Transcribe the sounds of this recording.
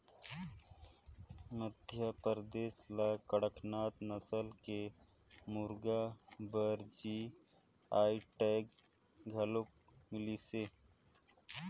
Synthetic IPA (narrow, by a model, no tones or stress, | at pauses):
məd̪ʱjapəɾd̪eːslakəɽəkʰnaːt̪nɐsəlke | muɾɡabəɾd͡ʒi | aːiʈeːk | ɡʱɐlok̚ | mɪlise